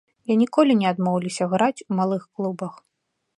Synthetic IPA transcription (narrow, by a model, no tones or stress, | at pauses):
janʲikɔlʲinʲɛad̪mɔwlʲisʲɐɣɾat͡sʲumalˠɨxklˠubɐx